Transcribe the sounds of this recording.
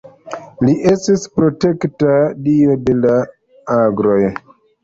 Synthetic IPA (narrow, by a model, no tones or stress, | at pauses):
liʔe̞stispɾo̞te̞ktadio̞de̞la | aɡɾo̞j